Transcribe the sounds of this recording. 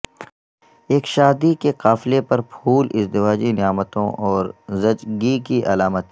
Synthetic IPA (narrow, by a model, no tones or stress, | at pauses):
eːkʃaːd̪ikeqaːflepɐɾpʰuːlɪzd̪ɪʋaːd͡ʒinɪjaːmət̪õʔɔːɾzɐd͡ʒɡikiʔɐlaːmət̪̚